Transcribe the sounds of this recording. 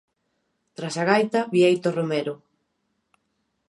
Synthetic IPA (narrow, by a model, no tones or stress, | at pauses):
t̪ɾasaɣajt̪ɐβiejt̪oromeɾo